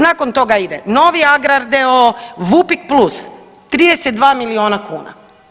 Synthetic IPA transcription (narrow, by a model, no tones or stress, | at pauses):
nako̞nt̪o̞ɡaid̪ḛno̞ʋiaɡɾaɾd̪eoʋupik̚plˠus | t̪ɾiːd̪eset̪d̪ʋaːmilio̞ːnakuːna̰